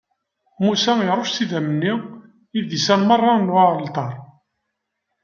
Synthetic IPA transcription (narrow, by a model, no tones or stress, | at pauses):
musæjɾˤoʃsiðæmənːi | iðisænmərˤːɑnwaɾˤəlt̪ˤɑɾˤ